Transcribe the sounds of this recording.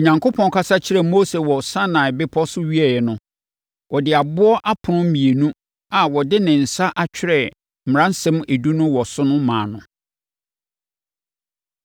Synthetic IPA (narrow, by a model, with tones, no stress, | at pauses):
o˨ɲã˨ŋkʰo˦pʰɔ̃˨n˦kʰa˦sa˦t͡ɕʰɪ˦ɾɛ˨mo˦se˨wɔ˨sã˦nã˨ɛ˨bɪ˦pʰɔ˦sʊ˦ɥi˦ɛ˨jɛ˨nʊ̃˨ | wʔɔ˨dɪ˨a˨bʊ˦ɔ˦ʔa˦pʰʊ˨nʊ̃˦m̩˦mĩ˨e˨nũ˦ | a˨wɔ˨dɪ˦nɪ̃˨n̩˨sa˦ʔa˨t͡ɕᶣɪ˦ɾɛ˦˨ | m̩˨m̩˨ã˦n̩˦sɛ̃˦me˨du˦nʊ̃˦wɔ˨sʊ˦nʊ̃˦mãː˨nʊ̃˨